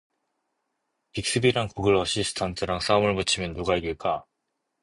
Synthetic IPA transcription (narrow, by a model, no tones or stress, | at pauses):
pik̚s͈ɯbiɾaŋkoɡɯɭʌɕ͈ʰisʰɯ̥tʰantʰɯɾaŋs͈ʰaumɯɭpɯt͡ɕʰimjʌnːuɡaiɡiɭk͈a